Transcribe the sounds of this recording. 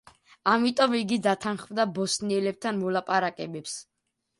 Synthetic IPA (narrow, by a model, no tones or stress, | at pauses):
amit̪ʼɔmiɡid̪at̪ʰanχmd̪abɔsniɛlɛb̚t̪ʰanmɔlapʼaɾakʼɛbɛps